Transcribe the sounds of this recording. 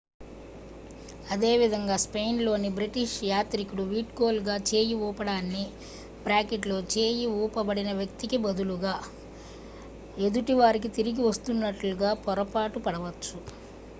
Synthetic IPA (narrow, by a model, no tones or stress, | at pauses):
ɐd̪e̞ːʋid̪ʱɐŋɡaːspe̞jnlo̞ːnibɾiʈiʂjaːt̪ɾikuɽuʋiːʈkoːlɡaːt͡ʃe̞ːjiuːpɐɽaːnːi | bɾaːkeʈloːt͡ʃe̞ːjiuːpɐbɐɽinɐʋjɐkt̪ikibɐd̪ʱuluɡaː | e̞d̪uʈiʋaːɾik̬it̪iɾiɡiʋɐst̪unːɐʈluɡaːpɔɾɐpaːʈupɐɽɐʋɐt͡ʃt͡ʃːu